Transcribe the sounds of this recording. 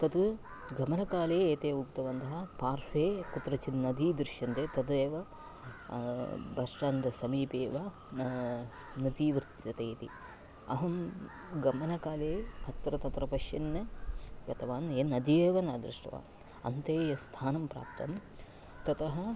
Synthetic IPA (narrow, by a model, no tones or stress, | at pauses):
t̪ɐt̪u | ɡɐmɐnɐkaːleːeːt̪eːukt̪ɐʋɐnd̪ɐɦɐpaːɾfeːkut̪ɾɐt͡ʃinːɐd̪iːd̪ɾɪʃjɐnt̪eːt̪ɐd̪eːʋɐ | bɐʂʈand̪ɐsɐmiːpeːʋɐ | nɐd̪iːʋɾt̪jɐt̪eːt̪ḭ | ɐ̰ɦɐm | ɡɐmɐnɐkaːleːɐt̪ːɾɐt̪ɐt̪ɾɐpɐʃjɐnːɐɡɐt̪ɐʋaːneːnɐd̪ieːʋɐnɐd̪ɾɪʂʈɐ̰ʋa̰ːn | ɐ̰nt̪eːjɐst̪ʰaːnɐmpɾa̰ːp̚t̪ɐm | t̪ɐt̪ɐɦɐ